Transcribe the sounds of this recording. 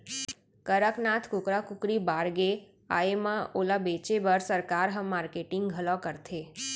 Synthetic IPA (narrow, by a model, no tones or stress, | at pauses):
kəɾəknaːt̪ʰkʊkɾakʊkɾibaːɾɡe | a̰ːemãoːlabeːt͡ʃebəɾsəɾkaːɾɦə̃mːaːɾkeːʈɪ̃ŋɡɡʱɐlɔkəɾt̪ʰeː